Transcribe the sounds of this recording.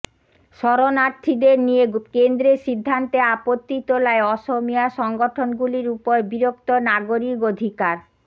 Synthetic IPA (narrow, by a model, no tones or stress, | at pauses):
ʃɔɾonaɾt̪ʰid̪eɾnijekend̪ɾeʃid̪ʱːant̪eapot̪ːit̪olaeɔʃomijaʃɔŋɡoʈʰonɡuliɾupoɾebiɾokt̪onaɡoɾikod̪ʱikaɾ